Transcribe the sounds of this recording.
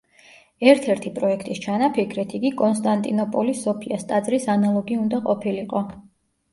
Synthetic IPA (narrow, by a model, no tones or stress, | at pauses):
ɛɾt̪ʰɛɾt̪ʰipʼɾɔɛkʰt̪ʼist͡ʃʰanapʰikʰɾɛt̪ʰiɡikʼɔnst̪ʼant̪ʼinɔpʼɔlisːɔpʰiast̪ʼad̪zɾisanalˠɔɡiund̪aqʼɔpʰiliqʼɔ